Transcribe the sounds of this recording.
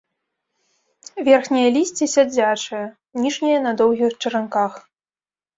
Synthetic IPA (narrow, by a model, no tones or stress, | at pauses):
vʲɛrxnʲijɐlʲisʲt͡sʲisʲad͡zʲat͡ʂɨjɐ | nʲiʐnʲɛjɐnɐd̪ɔwɣʲixt͡ʂɨɾankax